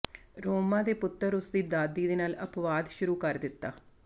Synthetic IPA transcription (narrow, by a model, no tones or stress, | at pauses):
ɾoːmaːd̪eːpʊt̪ːəɾʊsd̪iːd̪aːd̪iːd̪eːnaːləpʋaːd̪ʃʊɾuːkəɾd̪ɪt̪ːa̰ː